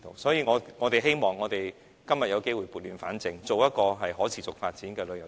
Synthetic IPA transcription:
t̪o̰˨˩wsɔː˨˥jiː˨˧ŋɔː˨˧ŋɔː˨˧t̪e˨˩ɦe˥jmɔː˨ŋːɔː˨˧t̪e˨j | kɐ˥mjɐ˨t̚jɐ˨˧wke˥jwuː˨˧jpu˨t̚lyː˨˧nfaː˨˥nt͡sɪ˨ŋt͡so˨wjɐ˥t̚kɔː˧ɦɐ˨jɦɔː˨˥t͡sʰiː˨˩t͡sʊ˨k̚faː˧t̚t͡siː˨˥nkɛː˧lɵ˨˧ɥjɐ˨˩

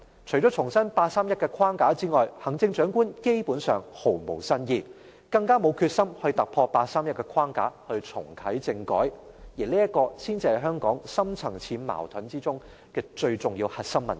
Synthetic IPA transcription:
t͡ʃʰɵ˨˩ɥt͡ʃɔː˨˥t͡ʃʰʊ˨˩ŋsɐ˥npaː˧t̚saː˥mjɐ˥t̚kɛː˧kʰwaː˥ŋkaː˨˥t͡siː˥ŋɔː˨jhɐ˨˩ŋt͡sɪ˧ŋt͡ʃœː˨˥ŋkuː˥nke˥jpuː˨˥nsœː˨ŋho˨˩wmo̰˨˩wsɐ˥njiː˧ | kɐ˧ŋkaː˥mo˨˧wkʰyː˧t̚sɐ˥mhɵ˧ɥt̪ɐ˨k̚pʰɔː˧paː˧t̚saː˥mjɐ˥t̚kɛː˧kʰwaː˥ŋka̰ː˨˥hɵ˧ɥt͡sʰʊ̰˨˩ŋkʰɐ˨˥jt͡sɪ˧ŋkɔ̰ː˨˥j | jiː˨˩liː˥jɐ˥t̚kɔː˧siː˥nt͡siː˧hɐ˨˩jɦœː˥ŋkɔː˨˥ŋsɐ˥mt͡sʰɐ˨˩ŋt͡sʰiː˨˥nma̰ː˨˩wt̪ʰɐ˨˥nt͡siː˥t͡sʊ˥ŋ | kɛː˧t͡ʃɵ˧ɥt͡sʊ˨ŋjiː˧whɐ˨t̚sɐ˥mːɐ˨˩n

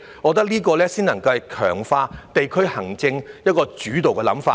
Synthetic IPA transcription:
ŋɔː˨˧t̪̬ɐ˥k̚liː˥kɔː˧lɛː˥siː˥nɐ˨˩ŋkɐ˧wɛ˨jkʰœ̰ː˨˩ŋfaː˧t̪e˨jkʰɵ˥ɥhɐ˨˩ŋt͡sɪ˧ŋjɐ˥t̚kɔː˧t͡ʃyː˨˥t̪o˨wkɛː˧lɐ̰˨˥mfaː˧

